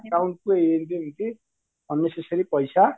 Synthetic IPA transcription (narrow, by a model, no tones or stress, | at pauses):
kawɳʈ̚koɦeɾent̪imint̪i | bʱʌnːesesʌɾipʌjsa